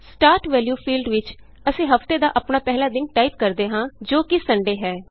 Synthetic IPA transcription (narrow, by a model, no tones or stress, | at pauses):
sʈaːɾʈʋɛːljuːpʰiːlɖʋɪt͡ʃ | əsĩːɦəft̪eːd̪aːʔəpɳaːpɛːɦlaːd̪ɪnʈaːip̚kəɾd̪eːɦãːd͡ʒoːkɪsəɳɖeːɦɛː